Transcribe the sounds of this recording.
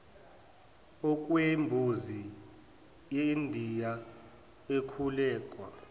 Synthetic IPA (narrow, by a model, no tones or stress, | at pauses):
ɔk̬ʼwembʱuzi | jeindʱija | ekʰulɛːkʼwa